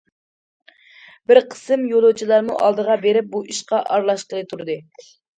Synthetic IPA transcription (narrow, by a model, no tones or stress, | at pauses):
bɪɾqʰə̥sɨmjolˠot͡ʃʰilˠɑɾmṵʔɑ̰lˠd̪əʁɑbeɾɪp̚buʔiʃqɑʔɑɾlˠɑʃqəlˠɨt̪ʰuɾd̪ɨ